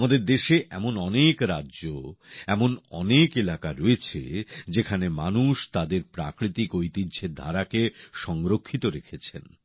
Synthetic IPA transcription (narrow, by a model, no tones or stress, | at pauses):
mad̪eɾd̪eʃeʔɛmonɔnekɾadːʑoɛmonɔ̰nekelakaɾɔet͡ɕʰḛd͡ʑekʰanemanuʃt̪ad̪eɾpɾa̰kɾit̪ikojt̪idd͡ʑʱed̪ʱa̰ɾakeʃɔŋɾokʰːit̪oɾekʰet͡ɕʰḛn